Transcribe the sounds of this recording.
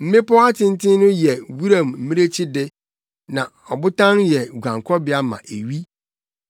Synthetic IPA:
m̩˦mɪ̃˦pɔ˦a˦tʰɪ̃˦n˦tɪ̃˦nʊ̃˦jɛ˨wu˦ɾã˨mm̩˨mĩ˦ɾe˦t͡ɕʰi˦dɪ˦ | nã˨ | ɔ˨bʊ˦tʰã˦njɛ˨ɡʷã˨ŋkʰɔ˦bɪ˨˦a˦mã̰˨ʔe˨ɥi˦

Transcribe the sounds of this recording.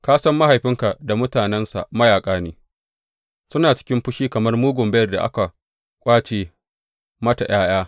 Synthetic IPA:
kaː˦sɐ˦mːa˦ha˨jɸɪ˦ŋka˨da˨mʊ˦taː˨nɛ˦nsa̰˨ʔmɐ˦jaː˨kʼaː˦niː˦ | sʊ˦naː˨t͡ʃɪ̥˦kʲɪ˦mɸʊ˦ʃiː˦kɐ˨mɐ˦rmuː˦ɡʷʊ˨mbɛ˦jɐ˨rda˨ʔa̰˦ka˨ | kʷʼaː˦t͡ʃeː˨ | mɐ˦ta˨j̰ʔaː˦j̰aː˦

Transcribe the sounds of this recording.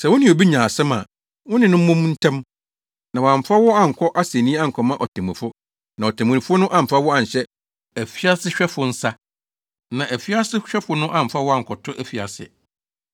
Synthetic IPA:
sɛ˨wʊ̃˦nɪ̃˨o˨bi˦ɲãː˨sɛ˦mã̰˨ | wʊ̃˦nɪ̃˨nʊ̃˦m̩˦mʊ̃˦m˦n̩˦tʰã˦m | nã˨wɔ˨ã˨m̩˨fa˦wɔ˦a˦ŋ̩˨kʰɔ˦ʔa˦sẽ˨nĩ˦a˦ŋ̩˨kʰɔ˨mã˦ʔɔ˨tʰã˨mṵ̃˨fʊ˦ | nã˨ɔ˨tʰã˨mũ˨ɪ̃˨fʊ˦nʊ̃˦ʔã˦m̩˨fa˦wɔ˦a˨ɲ̩˨ɕɛ˦ | æ˨fi˦a˦sɪ˦ɕᶣɛ˦fʊ˨n̩˦sa˦ | nã˨ʔæ˨fi˦a˦sɪ˦ɕᶣɛ˦fʊ˨nʊ̃˦ʔã˦m̩˨fa˦wɔ˦a˦ŋ̩˨kʰɔ˨tʰʊ˦ʔæ˦fi˨a˨sɪ̰˨

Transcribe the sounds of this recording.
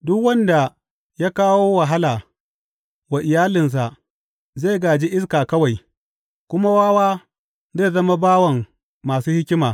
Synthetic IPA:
dʊ˦kwɐ˦nda˨ | ja˦kaː˦woː˦wa˨ɦa˦laː˨ | wa˨ʔɪ˨jaː˦lɪ˨ns̬a˨ʔ | ze˦˨ɡaː˨d͡ʒi˦ʔɪ˦skaː˨kɐ˦wa˨j | kʷʊ˦ma˦waː˦waː˦ | zeː˦˨zɐ˦ma˦baː˦wɐ˨ŋː | aː˨suː˦hɪ˦kʲɪ˦maː˨

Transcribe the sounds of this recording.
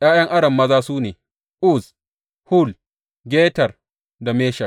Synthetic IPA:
j̰aː˦jɐ˦ŋʔa˦ɽɐ˨mːɐ˦zaː˦suː˦neː˨ | ʔʊ˦s | hʊ˦l | ɡʲeː˦tɐ˨r | da˨meː˦ʃɐ˨

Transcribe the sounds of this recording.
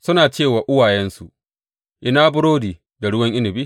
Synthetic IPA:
sʊ˦naː˨t͡ʃeː˦˨waː˨ʔʊ˦waː˨jɛ˦nsu˨ʔ | ʔɪ˦naː˦bʊ˦ɽoː˦diː˨ | da˨ɽʊ˦wɐ˦ŋʔɪ˦nɪ˨bi˦

